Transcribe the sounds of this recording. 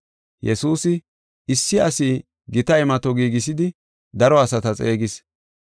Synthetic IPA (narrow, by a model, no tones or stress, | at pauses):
jɛsuːsɪ | ɪsːɪɐsiː | ɡɪt̪ɐjmɐt̪ɔɡiːɡɪs̬ɪd̪ɪ | d̪ɐɾɔɐsɐt̪ɐt͡sʼe̞ːɡɪs